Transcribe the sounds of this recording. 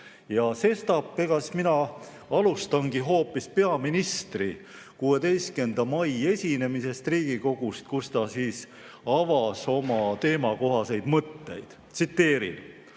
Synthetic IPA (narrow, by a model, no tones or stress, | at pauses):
jɑse̞st̪ɑpːekɑsminɑ | ɑlust̪ɑŋɡ̥iɦo̞ːpːispe̞ɑminist̪ri | kue̞d̪e̞jst̪̚kend̪̥ɑmɑje̞sʲine̞mise̞st̪riːɡ̥iko̞ɡ̥ust̪̚kust̪ɑsiːs | ɑvɑso̞mɑt̪e̞ːmɑko̞ɦɑse̞jd̪mɤt̪ːe̞̰jd̪̥t̪sit̪ːe̞ːɾḭl